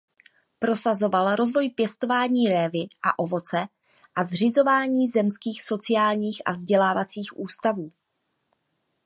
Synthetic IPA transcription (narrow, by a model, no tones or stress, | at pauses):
pɾo̞sazo̞valɾo̞zvo̞jpjɛst̪o̞vaːɲiːɾɛːvɪʔaʔo̞vo̞t͡sɛ | ʔazr̝ɪzo̞vaːɲiːzɛmskiːxso̞t͡sɪaːlɲiːxʔa̰vzɟɛlaːvat͡siːxʔuːst̪avuː